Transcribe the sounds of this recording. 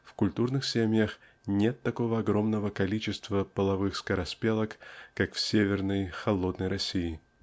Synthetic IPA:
fkʊlʲt̪urnɨxsʲemʲjəx | nʲe̞t̪ːɐko̞vəɐɡɾo̞mnəvəkɐlʲit͡ɕɪst̪vəpəlˠɐvɨxskəɾɐspʲelˠəkːakfsʲevʲɪrnəjxɐlˠo̞d̪nəjɾɐsʲiɪ

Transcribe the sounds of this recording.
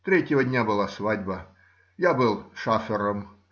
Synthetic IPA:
t̪ɾʲetʲjɪvədʲnʲabɨlˠasvadʲbə | jabɨlˠʂafʲɪɾəm

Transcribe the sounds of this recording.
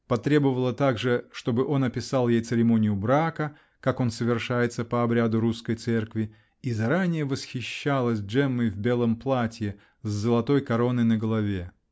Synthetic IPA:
pɐt̪ɾʲe̞bəvəlˠət̪aɡʐɨʂt̪o̞bɨʔo̞nɐpʲɪsɑlˠjejt̪sɨɾʲɪmo̞nʲɪjʊbɾakə | kako̞nsəvʲɪrʂajɪt̪səpəɐbɾʲad̪ʊɾuskəjt̪sɛrkvʲɪ | izɐɾanʲɪjəvəsxʲɪɕːalˠəsʲdʐɛmːɨjvbʲe̞lˠəmplˠatʲjɪ | zːəlˠɐt̪o̞jkɐɾo̞nɨnəɡəlˠɐvʲe

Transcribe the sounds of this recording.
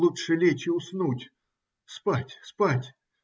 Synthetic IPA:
lˠutʂɨlʲet͡ɕɪʊsnutʲ | spatʲspatʲ

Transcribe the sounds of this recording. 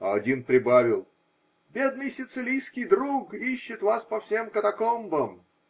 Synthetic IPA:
ɐɐdʲinpɾʲɪbavʲɪlˠ | bʲe̞d̪nɨjsʲɪt̪sɨlʲijskʲɪjd̪ɾukiɕːɪt̪vaspɐfsʲe̞mkət̪ɐkombəm

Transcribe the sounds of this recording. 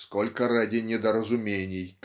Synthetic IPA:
skolʲkəradʲɪnʲɪd̪ɐɾɐzʊmʲenʲɪjk̪

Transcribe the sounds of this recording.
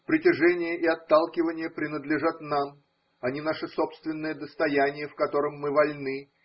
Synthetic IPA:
pɾʲɪtʲɪʐɛnʲɪjəʔɪɐt̪ːalˠkʲɪvənʲɪjəpɾʲɪnəd̪lʲɪʐat̪nam | ɐnʲinaʂɨso̞pst̪vʲɪnːəjəd̪əst̪ɐjænʲɪjəfkɐt̪o̞ɾəmːɨvɐlʲnɨ

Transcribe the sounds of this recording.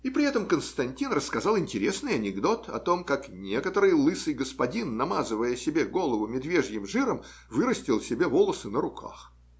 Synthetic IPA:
ipɾʲɪɛt̪əmkənst̪ɐnʲtʲinrəskɐzɑlˠɪnʲtʲɪɾʲesnɨjɐnʲɪɡd̪o̞t̪ɐ̰t̪o̞mkaknʲe̞kət̪əɾɨjlˠɨsɨjɡəspɐdʲinːɐmazɨvəjəsʲɪbʲeɡo̞lˠəvʊmʲɪd̪vʲe̞ʐjɪmʐɨɾəm | vɨɾəsʲtʲɪlˠsʲɪbʲevo̞lˠəsɨnəɾʊkʰa̰x

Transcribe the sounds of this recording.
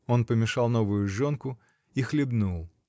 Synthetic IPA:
o̞npəmʲɪʂɑlˠnovʊjʊʐonkʊ | ixlʲɪbnulˠ

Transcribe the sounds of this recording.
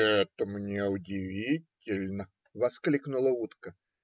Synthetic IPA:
ɛt̪əmnʲeʊdʲɪvʲitʲɪlʲnə | vɐsklʲiknʊlˠəut̪kə

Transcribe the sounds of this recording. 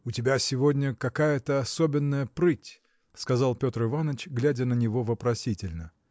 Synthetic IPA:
ʊtʲɪbʲasʲɪvo̞dʲnʲəkɐkajət̪əɐsobʲɪnːəjəpɾɨtʲ | skɐzɑlˠpʲo̞t̪rɨvanət͡ɕɡlʲædʲənənʲɪvo̞vəpɾɐsʲitʲɪlʲnə

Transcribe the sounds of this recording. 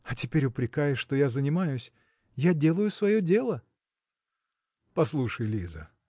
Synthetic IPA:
ɐtʲɪpʲeɾʲʊpɾʲɪkajɪʂt̪ojazənʲɪmajʊsʲ | jadʲelˠəjʊsvɐjo̞dʲe̞lˠə | pɐslˠuʂəjlʲizə̰

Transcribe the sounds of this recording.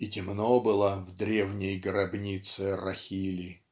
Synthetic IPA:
itʲɪmnobɨlˠəvd̪ɾʲevnʲɪjɡɾɐbnʲit̪sɨrɐxʲilʲi

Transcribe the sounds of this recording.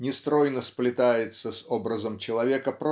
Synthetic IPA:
nʲɪst̪ɾo̞jnəsplʲɪt̪ajɪt̪səsobɾəzəmt͡ɕɪlˠɐvʲekəpɾ

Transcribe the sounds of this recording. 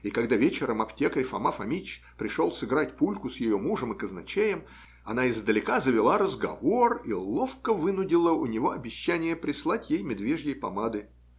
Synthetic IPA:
ikɐɡd̪avʲet͡ɕɪɾəmɐptʲekəɾʲɪfɐ̰mafɐmʲit͡ɕ | pɾʲɪʂolˠsɨɡɾatʲpulʲkʊsjɪjomuʐəmɨkəznɐt͡ɕejɪm | ɐnaɪzd̪əlʲɪkazəvʲɪlˠaɾəzɡɐ̰vo̞rilˠofkəvɨnʊdʲɪlˠəʊnʲɪvo̞ɐbʲɪɕːænʲɪjəpɾʲɪslˠatʲjejmʲɪd̪vʲe̞ʐjejpɐmad̪ɨ

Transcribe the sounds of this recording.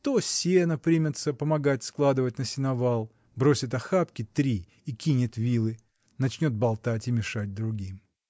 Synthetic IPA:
t̪osʲenəpɾʲimʲɪt̪səpəmɐɡatʲsklˠad̪ɨvətʲnəsʲɪnɐvalˠ | bɾo̞sʲɪt̪ɐxapkʲɪt̪ɾʲiː | kʲinʲɪt̪vʲilˠɨ | nɐt͡ɕnʲo̞t̪̚bɐlˠt̪atʲɪmʲɪʂad̚ʲd̪ɾʊɡʲim

